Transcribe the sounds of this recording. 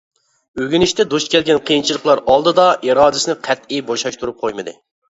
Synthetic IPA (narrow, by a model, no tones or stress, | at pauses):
øɡʲynɪʃt̪ʰɛd̪oʃkʲʰɛlɡʲɛnqʰəjint͡ʃʰilˠəχlˠɑɾɑlˠd̪ɨd̪ɑʔiɾɑːd̪ɪsɨnɪqʰɛt̪iboʃɑʃt̪ʰuɾup̚qʰojmɨd̪ɨ̰